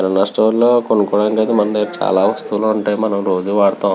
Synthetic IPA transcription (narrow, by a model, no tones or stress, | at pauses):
ɐɾɐnɐsʈoːlloːkonukɔːɽɐŋkɐːd̪imɐnd̪et͡ʃa̰ːlaːʋɐst̪uloːuɳʈaːjmɐnɐmɾo̞ːd͡ʒuʋaːɽt̪aː